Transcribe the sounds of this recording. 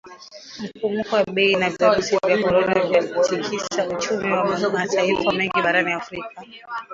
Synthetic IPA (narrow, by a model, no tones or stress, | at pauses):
m̩pumukɔwaɓɛinaviɾusivjakɔɾɔnavjakutikisaut͡ʃumiwamazmatʰaifamɛŋɡiɓaɾaniafɾik̚a